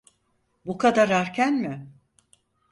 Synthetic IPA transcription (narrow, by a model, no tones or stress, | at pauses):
bukʰad̪aɾaɾcʰʲænmɪ